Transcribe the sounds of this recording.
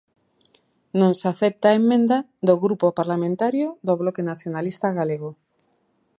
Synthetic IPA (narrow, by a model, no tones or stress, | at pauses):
nõŋsaθep̚t̪aemːẽnd̪a | ðoɣɾupopaɾlamẽnt̪aɾjoðoβlɔkenaθjonalist̪aɣaleɣo